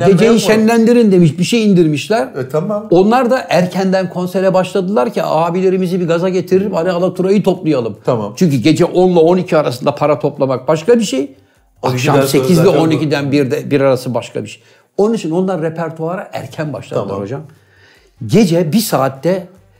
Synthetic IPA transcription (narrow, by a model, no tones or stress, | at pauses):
ɟe̞d͡ʒejnʃænlʲænd̪iɾind̪emiʃbiʃejind̪iɾmiʃlʲæɾo̞nlˠaɾd̪aʔæɾcʰænd̪ænkʰo̞nseɾɛbaʃlˠad̪ɯlˠaɾcʰiaːbilʲe̞ɾimizibiɡazaɟe̞t̪ʰiɾelʲipanɛːlˠat̪ʰuɾajɯt̪ʰo̞plˠujalˠɯmt͡ʃʰyɲcyɟe̞d͡ʒɛʔo̞nlˠao̞nicʰiaɾasɯnd̪apʰaɾat̪ʰo̞plˠamak̚baʃkabiʃej | aʃamse̞cʰizvɛo̞nicid̪ænbiɾd̪ɛbiɾaɾasɯbaʃkʰa̰biʃej | o̞nunit͡ʃʰino̞nlˠaɾːepʰæɾt̪ʰuaɾaʔæ̰ɾcʰænba̰ʃlˠa̰d̪ɯɾho̞d͡ʒam | ɟe̞d͡ʒɛbisaːt̪ːɛ